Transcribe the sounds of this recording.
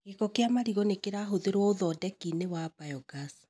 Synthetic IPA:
ɡekɔkeamaɾiɣɔnekeɾaɦoðeɾwɔoðɔdɛkinewabajɔɡas

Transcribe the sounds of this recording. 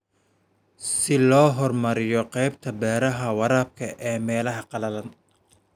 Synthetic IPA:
sɪlɔːɦɔrmɐɾɪjɔqɛjb̚t̪ʰɐbɛːɾɐɦɐwɑɾaːb̚kʰɐʔɛːmɛːlɐɦɐqɑlɐlɐn

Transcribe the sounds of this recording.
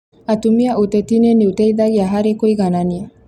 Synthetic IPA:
at̪umiaʔut̪et̪ineneut̪ejd̪ajaɦaɾekojɡanania

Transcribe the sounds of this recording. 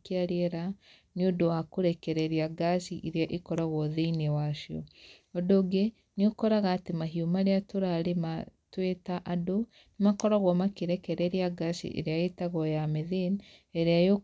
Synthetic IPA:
keaɾeɾa | niodowakoɾɛkɛɾɛɾeaɡasiʔeɾeaʔekɔɾaɣwɔðeinewaʃiɔ̰ | ɔdoɡe | niokɔɾaɣaːtemaɦiomaɾeatoɾaɾematwetaʔado | nemakɔɾaɣwɔmakeɾɛkɛɾɛɾeaɡasḭʔḛɾeaetaɣɔjameðen | eɾeajo

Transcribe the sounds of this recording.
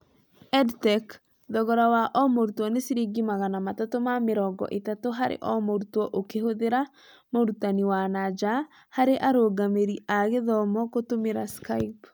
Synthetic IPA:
ɛdtɛk | ðɔɣɔɾawaʔɔmoɾutwɔnesiɾiɡimaɣanamatotomameɾɔɡɔ̰ʔetatoɦaɾḛʔɔmoɾutwɔʔokehoðeɾa | moɾutaniwanad͡ʒa | haɾeʔaɾoɡameɾiaɣeðɔmɔkotomeɾaskaip

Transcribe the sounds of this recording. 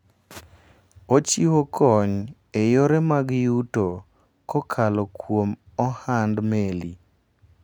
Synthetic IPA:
ot͡ʃiwokʰɔɲ | ejoɾɛmaɡjuto | kɔkʰalɔkwom | ɔhandmeli

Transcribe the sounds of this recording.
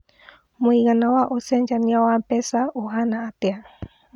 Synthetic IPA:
moiɣanawaʔosend͡ʒanĩawapesaoɦanaːt̪ea

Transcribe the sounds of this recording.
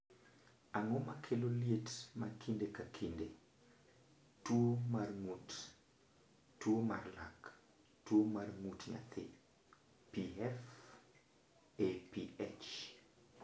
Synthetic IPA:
aŋomakʰeloljetmakʰindekakʰinde | twomarŋut | twoma̰rla̰k | twomarŋutɲa̰t̪ʰɪ | piɛf | epiet͡ʃ

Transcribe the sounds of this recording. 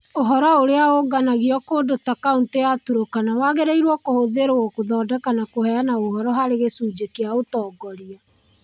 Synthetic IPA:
oɦɔɾɔoɾeaoɡanaɣiɔkodotakaunteatuɾokanawaɣeɾeiɾwɔkohoðeɾoɔkoðɔːdɛkanakohɛjanaoɦɔɾɔɦaɾeɣesuːd͡ʒekeaotɔːɡɔɾia

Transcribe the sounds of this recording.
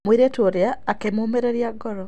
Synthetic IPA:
mwiɾetoɾjaːkemoːmeɾeɾjaɡoɾo

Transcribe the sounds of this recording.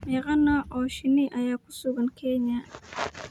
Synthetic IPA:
mɛːɣɐnaʔɔːʃɪniʔajaːkʊsʊɡɐnkʰɛɲa

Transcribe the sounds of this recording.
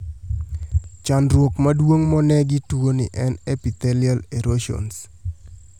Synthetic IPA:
t͡ʃanrwokmadwoŋmɔnɛɡɪtuonɪ̰ʔɛnɛpit̪ɛlialeɾoʃo̰ns

